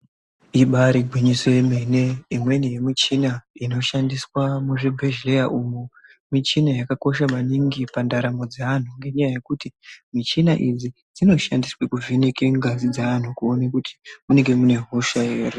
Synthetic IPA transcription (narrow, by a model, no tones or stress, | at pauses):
iɓaɾiɡʱwiɲiswemene̞imwe̞nijemit͡ʃinaino̞ʃandiswamuʐibʱeʒlejaʔumu | mit͡ʃinajakako̞ʃamaniŋɡipandaɾamo̞d͡zean̤uŋɡe̞ɲajaje̞kutimit͡ʃinaʔid͡zi | d͡zino̞ʃandiswekuvinekeŋɡazid͡zaan̤ukuonakutʰi̥mune̞ŋɡe̞mune̞ɦoʃaeri